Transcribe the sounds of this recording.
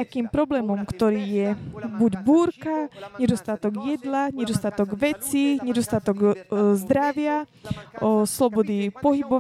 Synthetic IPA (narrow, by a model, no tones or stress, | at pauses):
akiːmpɾɔblɛːmɔmkt̪ɔɾiːjɛbuɟbuːɾkaɲɛd̪ɔst̪at̪ɔɡjɛd̪laɲɛd̪ɔst̪at̪ɔɡʋɛt͡siɲɛd̪ɔst̪at̪ɔɡzd̪ɾaʋɪa | slɔbɔd̪ipɔɦibɔ